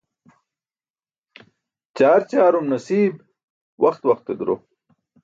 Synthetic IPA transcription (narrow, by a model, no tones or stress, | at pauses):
t͡ɕaːɾt͡ɕaːɾumnɐsiːb | wʔɐxt̪wɐxt̪ːed̪uɾo̰